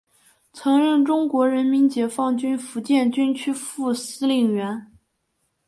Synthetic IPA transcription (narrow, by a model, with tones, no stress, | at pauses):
t͡sʰɤ˧˥ŋɻə˥˩nʈ͡ʂʊ˥ŋkwɔ˧˥ɻə˧˥nmi˧˥nt͡ɕjɛ˨˩fɑ˥˩ŋt͡ɕy˥nfu˧˥t͡ɕjɛ˥˩nt͡ɕy˥nt͡ɕʰy˥fu˥˩sɹ̩˥li˥˩ŋɥɛ˧˥n